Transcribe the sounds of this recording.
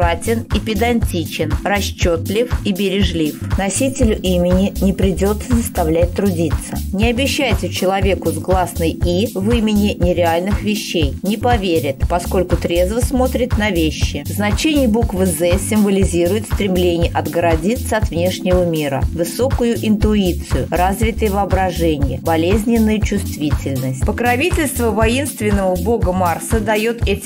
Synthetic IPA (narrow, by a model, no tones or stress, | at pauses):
atʲɪnɪpʲɪd̪ɐnʲtʲit͡ɕɪnrɐɕt͡ɕːot̪lʲɪfibʲɪɾʲɪʐlʲifnɐsʲitʲɪlʲʊʔimʲɪnʲɪnʲɪpɾʲɪdʲo̞t̪səzəst̪ɐvlʲæt̚ʲt̪ɾʊdʲit̪sə̰nʲɪɐbʲɪɕːæjtʲʊt͡ɕɪlˠɐvʲe̞kʊzɡlˠasnɨjivɨmʲɪnʲɪnʲɪɾʲɪalʲnɨxvʲɪɕːejnʲɪpɐvʲeɾʲɪt̪pɐsko̞lʲkʊt̪ɾʲe̞zvəsmo̞t̪ɾʲɪt̪nɐvʲeɕːɪznɐt͡ɕenʲɪjbukvɨzɛsʲɪmvəlʲɪzʲiɾʊjɪt̪st̪ɾʲɪmlʲenʲɪjəʔɐd̪ɡəɾɐdʲit̪səɐt̪vnʲe̞ʂnʲɪvəmʲiɾə̰vɨso̞kʊjʊʔɪnt̪ʊit̪sɨjʊrazvʲɪt̪əjəvɨɐbɾɐʐɛnʲɪjəbɐlʲezʲnʲɪnːəjət͡ɕʊst̪vʲitʲɪlʲnəsʲt̚ʲpəkɾɐvʲitʲɪlʲst̪vəvɐinst̪vʲɪnːəvəbo̞ɡəmarsəd̪ɐjot̪ɛtʲ